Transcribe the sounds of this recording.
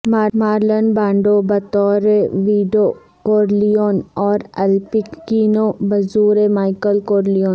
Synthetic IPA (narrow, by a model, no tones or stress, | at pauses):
maːmaːɾlənbãːɳɖobɐt̪ɔːɾeʋiːɖo | koːɾlijoːnɔːɾɛlpikiːnobɐzuːɾemaːɪkəlkoːɾlioːn